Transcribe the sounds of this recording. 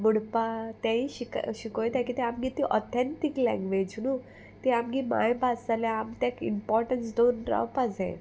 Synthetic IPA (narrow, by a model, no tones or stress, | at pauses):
buɽpat̪jãiɕikɕikojd̪akit̪ɛamɡit̪iʔɔt̪ʰɛ̃nt̪iklɛ̰̃ŋɡʋed͡ʑnu | t̪iamɡima̰jbasalaamt̪jakḭmpɔɾʈənsd̪onɾa̰wpad͡zɛ̰̃